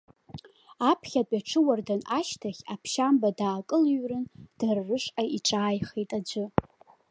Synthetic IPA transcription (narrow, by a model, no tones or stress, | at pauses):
apʰχʲapʼaʈ͡ʂʰɨwardanaʃtʰaχʲapʰʃambadaːkʼɨlɥrɨnd̥arːɨʂʼʔaiʈ͡ʂʼaːjχejtʼad͡ʒʷɨ